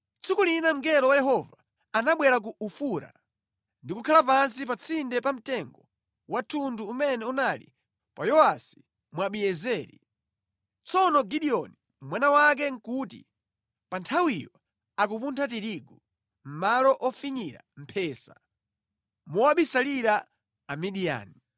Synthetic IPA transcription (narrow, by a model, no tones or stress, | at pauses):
t͡sʰikulinam̩ɡɛɾɔwajɛɦɔvaː | naɓwɛɾak̬uufuɾa̰ | ndikukʰalap̬ans̬ip̬at͡sʰindɛpam̩tɛŋɡɔ | watʰunduːmɛnɛunalḭ | pa̰jɔasi̥ | mwaɓijɛzɛːɾḭ | t͡sɔnɔɡiɗiɔni | mwanawak̬ɛŋkutḭ | pantʰawijɔ | ak̬upuntʰat̬iɾiɡu | m̩malɔʔɔfiɲiɾa̰m̩pʰɛːsḁ | muwaɓisaliɾa | amiɗia̰ːni